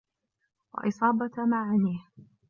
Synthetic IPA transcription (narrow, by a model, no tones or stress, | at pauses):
wɑ̰ʔɪsˤɑːbamaʕaniːh